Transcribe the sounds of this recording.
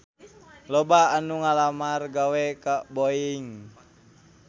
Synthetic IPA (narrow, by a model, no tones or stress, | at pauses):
lɔbaːnuŋalamarɡawɛkaboiŋ